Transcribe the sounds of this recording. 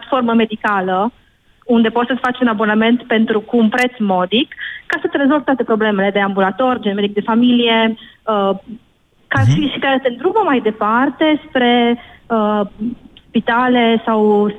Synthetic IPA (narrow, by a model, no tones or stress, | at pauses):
at̪fo̞rməme̞d̪ikalə | und̪e̞pot̪sət̪ʲfat͡ʃeunabo̞name̞nt̪pe̞nt̪ɾukuːnpɾe̞t̪smo̞d̪ikːasət̪eɾe̞zo̞lvt̪wat̪e̞pɾo̞ble̞me̞le̞d̪e̞ambulat̪o̞rʲd͡ʒenmed̪ik̚d̪e̞familije̞ə | karʃiʃikasət̪end̪ɾubəmajd̪e̞part̪e̞spɾe̞ə | spit̪ale̞saws